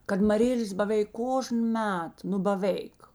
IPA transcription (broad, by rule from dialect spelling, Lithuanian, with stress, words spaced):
kɐt mɐˈrʲeːlʲeːs bɐˈʋʲeːɪk ˈkoːʒn ˈmʲɛt nʊ bɐˈʋʲeːɪk